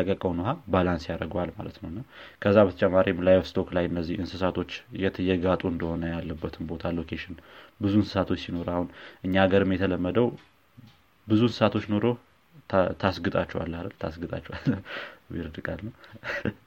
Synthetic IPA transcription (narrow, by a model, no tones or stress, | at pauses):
əkʼːəkʼəwnuɦabalansjaɾəɡoalma̰lət̪nəwnːakʰəzːabət̪ʰət͡ʃʼɛmːaɾimlajfst̪ʰo̞klajɨnːəzːihɨnsɨsat̪ʰo̞t͡ʃːjɛt̪ʰəjɛɡat̪ʼuɨnd̪əho̞nəjalːəbːət̪ʰɨnbo̞t̪ʰalo̞kʰeʃɪnbɨzunsɨ̥sat̪ʰo̞t͡ʃːsino̞ɾahunʔɨɲːaːɡəɾɨmjɛt̪ʰələmːəd̪əw | bɨzunsɨ̥sat̪ʰo̞t͡ʃːno̞ɾo̞ | t̪ʰasɡɨt̪ʼat͡ʃːɛwa̰lːalt̪ʰa̰sɡɨt̪ʼa̰t͡ʃːɛwaljḭɾɨd̪ɨkʼalnəw